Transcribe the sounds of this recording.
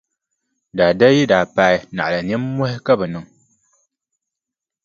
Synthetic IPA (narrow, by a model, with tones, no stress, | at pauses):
daː˨da˦ji˦daː˨paː˦ɪ˦na̰˨ʔla˨niː˦o˦hɪ˦ka˦bɨ˨nɨ˨ŋ